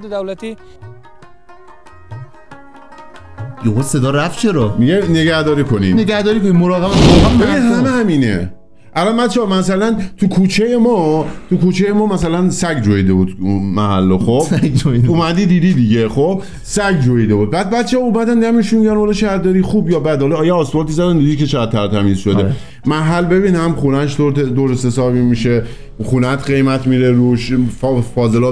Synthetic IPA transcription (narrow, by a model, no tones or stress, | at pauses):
d̪ed̪æwlæt̪ʰi | joɣosed̪ɒːɾæft͡ʃʰeɾɒmiɡene̞ɡæhd̪ɒːɾiːkʰo̞nḭneɡæhd̪ɒːɾiːkonimoɾɒːɣebæneɡeɦæmehæmiːnḛ | ʔælɒnbæt̪t͡ʃʰeːmæsælænt̪ʰukʰuːt͡ʃʰejemɒːt̪ʰukʰut͡ʃʰejemɒːmæsælænsæɡd͡ʒoid̪ebud̪unmæhælːoxo̞bouːmæd̪iːd̪iːd̪id̪iɟexob | sæɡd͡ʒoid̪ebuːd̪̚bæd̪̚bæt̪t͡ʃʰeɒumæd̪ænd̪æmeʃmiɟænhɒlɒʃæɾd̪ɒɾiːxuːbjɒːbæd̪hɒlɒːjeɒːsbɒːt̪ʰizæd̪ænd̪id̪ikʰet͡ʃʰeɣæd̪̚t̪ʰːæɾt̪ʰæmiːzʃod̪e | mæɦælːbe̞biːnhæmxunæʃd̪oɾed̪oɾesesɒːɾbimiʃe | χunæt̪ʰɢe̞jmæt̪ʰmiɾeɾuʃffɒːze̞lɒː